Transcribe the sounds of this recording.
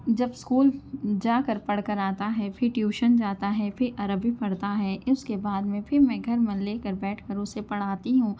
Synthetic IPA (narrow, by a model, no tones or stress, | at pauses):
d͡ʒɐbskuːld͡ʒaːkəɾpɐɽ̤kəɾaːt̪aɦɛːpʰɪɾʈjuːʃənd͡ʒaːt̪aɦɛfʰɪɾʔɐɾəbʱipɐɽt̪aɦɛːʔɪskebaːd̪mẽpʰɪɾmɛ̃ɡʱɐɾmẽleːkəɾbɛːʈʰkəɾʊsepɐɽ̤aːt̪iɦũː